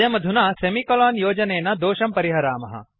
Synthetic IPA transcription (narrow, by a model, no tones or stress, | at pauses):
ɐmɐd̪ʱunaːsemikɐlaːnjoːd͡ʒɐneːnɐd̪oːʃɐmpɐɾiɦɐɾaːmɐɦɐ̰